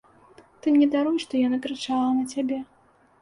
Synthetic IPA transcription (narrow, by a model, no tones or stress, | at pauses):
t̪ɨmnʲɛd̪aɾujʂt̪ɔjanakɾɨt͡ʂalˠɐnɐt͡sʲabʲɛ